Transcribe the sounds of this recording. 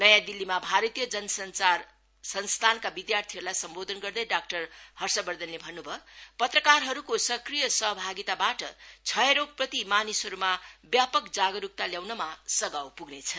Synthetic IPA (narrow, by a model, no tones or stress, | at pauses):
nʌjãd̪ilːimabʱaɾʌt̪ijʌd͡zʌnʌsʌnt͡sar | sʌnst̪ʰankabid̪jart̪ʰiɦʌɾulajsʌmbod̪ʱʌnɡʌrd̪ʌjɖak̚ʈʌrhʌrsʌbʌrd̪ʱʌnlebʱʌnːubʱʌpʌt̪rʌkarɦʌɾukosʌkrijʌsʌɦbʱaɡit̪abaʈʌt͡sʰʌeɾok̚prʌt̪imanisɦʌɾumabjapʌkd͡zaɡʌɾuk̚t̪aljawnʌmasʌɡawpuɡnet͡sʰʌ